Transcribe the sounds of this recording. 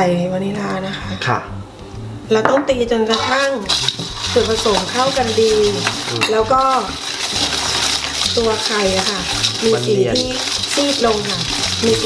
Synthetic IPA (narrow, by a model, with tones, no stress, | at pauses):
a˨˩jha˨˩jwa˧nːi˦˥laː˦˥na˦˥kʰa˦˥ʔkʰ | lɛː˧˦˥wt̪ɔ˥˩ŋt̪iː˧t͡ɕo˧nkɾa˧t̪ʰa˥˩ŋ | sɯ˨˩pʰa˧so˨˩˦mkʰa˥˩wka˧ndiː˧lɛː˦˥wkɔː˥˩ | t̪u˧ɐkʰa˨˩jʔa˨˧˩kʰa˥˩ | miː˧si˨˩t̪ʰiː˥˩ | sʰiː˥˩t̪̚lo˧ŋkʰa˥˩ | miː˧